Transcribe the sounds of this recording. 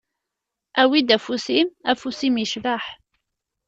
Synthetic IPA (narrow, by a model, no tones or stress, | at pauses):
ʔæwid̪æfusimæfusimiʃbaħ